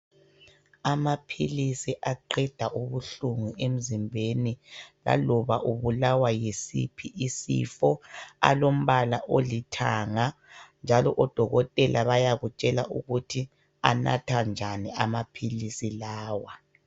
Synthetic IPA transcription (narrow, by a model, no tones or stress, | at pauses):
amapʰilisiʔaǃɛd̥ʱaʔuβuɬuŋuʔem̩zimbʱenila̰lɔβaʔuβulawajesḭpʰiʔisḭfɔa̰lom̩βalaʔolitʰaːŋand͡ʒʱalɔʔɔd̥ʱɔɣɔtʼɛlaβajaɣut͡ʃʼɛlaʔuɣutʰi | a̰na̰tʰand͡ʒʱaniamapʰilisilaːwa